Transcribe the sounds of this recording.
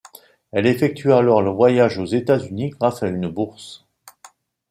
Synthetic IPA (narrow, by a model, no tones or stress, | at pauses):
ɛlefɛk̚t̪ɥalɔʁləvwajaʒozet̪azyniɡʁasaynbuʁs